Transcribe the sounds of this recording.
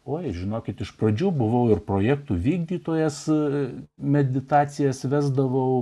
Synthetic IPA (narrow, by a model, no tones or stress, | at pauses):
oːɪʒʲɪnoːkʲɪt̪ɪʃprɐd͡ʒʲuːbʊʋɐʊɪrproːjæːk̚t̪uːʋʲiːɡd̪ʲiːt̪oːjɛs | mʲɛd̪ʲɪt̪ɑːt͡ssʲɪjɛsʋʲæːzd̪ɐʋɐʊ